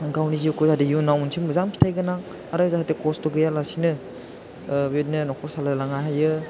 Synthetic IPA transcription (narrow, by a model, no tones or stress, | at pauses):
ɡawniziukʰɔzadijunawunsʰimɯzaŋmpʰi̥tʰajɡɯnaŋ | aɾɯzahatekɔstɔɡɯjalasinɯ | wet̚nenɔkʰɔsalalaŋajɦajɯ